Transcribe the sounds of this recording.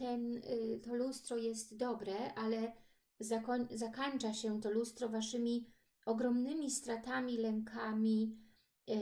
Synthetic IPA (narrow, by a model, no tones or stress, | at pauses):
t̪ɛnt̪ɔlust̪ɾɔjɛst̪d̪ɔbɾɛʔalɛ | zakɔɲzakaɲt͡ʂaɕɛt̪ɔlust̪ɾɔvaʂɘmʲi | ɔɡɾɔmnɘmʲist̪ɾat̪amʲilɛŋkʰamʲi